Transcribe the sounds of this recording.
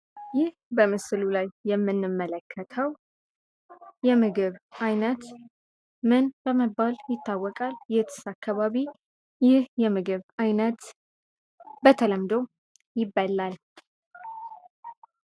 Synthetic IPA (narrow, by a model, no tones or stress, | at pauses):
jɪhbəmɨslulajːɛmːɨnːɨmːələkʰːət̪ʰəw | jɛmɨɡɨβʔajnət̪ | mɨnbəməbːaljɪt̪ʰːawːɔkʼaljɪt̪ʰɨ̥sakʰːaβaβi | jɪhjɛmɨɡɨβajnət̪ | bət̪ʰələmd̪o̞ | jɪbːəlːal